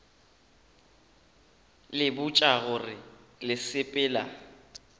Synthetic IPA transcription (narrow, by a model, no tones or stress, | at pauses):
lɪbʊt͡ʃʼaɣʊrɪlɪsɪpʼɪːla